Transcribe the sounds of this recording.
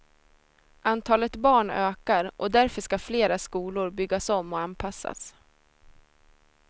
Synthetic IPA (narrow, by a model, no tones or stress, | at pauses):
ʔant̪ʰɑːlət̪bɑːɳøːkaɾʔɔd̪æɾfœʂkafleːɾaskuːlʊɾbʏɡːasɔmːɔanpʰasːa̰s